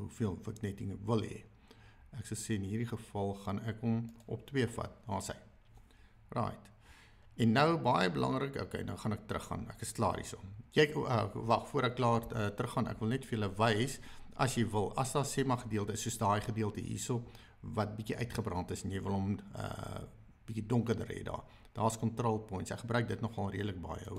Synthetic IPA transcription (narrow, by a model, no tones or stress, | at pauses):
ɦufiəlˠvəknɛtiŋvəlˠɦɛ̰ | æksəlˠseːənɦiːɾiχəfɐlˠχɐnækɔmʔɔ̰p̚twiəfɐ̰t̚nɑːsə̰j | rɑ̰ːjt | ɛnːəwbɑjəbəlɐ̰ŋrəko̰kɛ̰jnə̰wχɐnɛk̚trə̰χːɐ̰nækəsklɑ̰ːɾḭsomjɛjəvɐfuəɾəklɑːrətrəχɑnæ̰kvəlˠnɛtfərjələvɛjsʔɐsjɛjvəlˠɐsdɑːsemɐχədiəlˠtəəsuəsdɑːjχədiəlˠtəɦḭsəlˠ | vɐt̚bikiʔœɥtχəbrɐntəsɛnjɛjvəlˠɦɔmə̰ | b̥ikidɔŋkərdəɾḛdɑ̰ː | d̥ɑːskɔntrɑlˠpɔjntsæ̰kχəbrœɥk̚dətnɔχɐlˠriədlək̚bɑ̰jə̰